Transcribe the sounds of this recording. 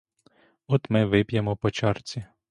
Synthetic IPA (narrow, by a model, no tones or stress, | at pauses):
ɔt̪mɪʋɪpʲjemɔpɔt͡ʃɑrt͡sʲi